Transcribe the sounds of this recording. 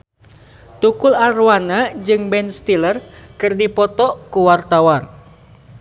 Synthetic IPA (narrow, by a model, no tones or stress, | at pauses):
t̪ukularwanad͡ʒɨŋbɛnst̪ilərkɨrdipɔt̪ɔkuwart̪awan